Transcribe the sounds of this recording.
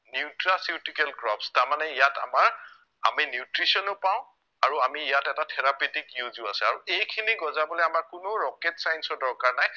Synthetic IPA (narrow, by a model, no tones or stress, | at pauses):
niutɹasitikɛlɡɹɔpstaɹmanɛijata̰maɹ | a̰minjutɹisɔnʊpaʊ̃ | aɹuamiːjatɛtatʰɛɹaputikjuzʊasɛaɹuʔejkʰiniɡɔzabɔlɛamaɹkʊnʊɹɔketsajnsɔdɔɹkaɹnaj